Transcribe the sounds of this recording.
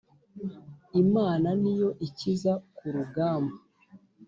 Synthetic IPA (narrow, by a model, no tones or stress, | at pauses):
imaːnanijo̞ʔicizakuɾuɡaːmba